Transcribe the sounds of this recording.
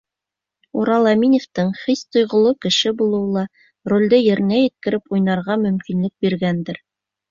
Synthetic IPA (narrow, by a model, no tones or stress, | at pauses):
uɾɑlˠɑminʲeft̪ɤɴχist̪ŏjʁŏlˠokɘ̆ʃɘbulˠɤ̆wlˠɑ | rolʲd̪ɘjɘ̆ɾɘ̆næjɘ̆t̪̚kɘ̆ɾɘpujnɑɾʁɑmɵ̆mkinlɘk̚biɾɡænd̪ɘɾ